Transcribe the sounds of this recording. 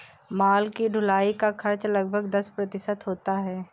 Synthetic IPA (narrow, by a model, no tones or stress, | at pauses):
maːlkiɖʱʊlaːikakʰɐɾt͡ʃlɐɡ̚bʱəɡd̪ɐspɾɐt̪ɪʃət̪ɦoːt̪aɦɛː